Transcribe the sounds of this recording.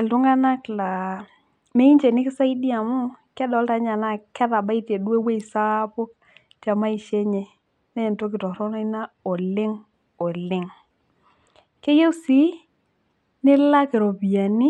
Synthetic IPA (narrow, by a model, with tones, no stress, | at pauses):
ɛ˨ltʊ˦ŋa˦na˦kla˨ | me˦i˦nt͡ʃe˨nɪ˦kɪ˦sa˦i˦di˦a˨mʊ˦kɛ˦dɔ˨˦lta˨˦ɲa˨na˦˨kɛ˦ta˨ba˦i˦te˨dwe˦we˦i˨sa˦po˦k̚ | t͡ʃa˨ma˦i˨ʃe˦ɲɛ˨ | nɛ˦˨nto˦k̬ɪ˨tɔ˨ɾɔ˦nɔ˦i˦na˦ɔ˨lɪ˦ŋ | ɔ˨lɪ˨ŋ | ke˦je˦wsi˦ | nɪ˦la˦ke˨ɾo˨pi˨ja˨ni˦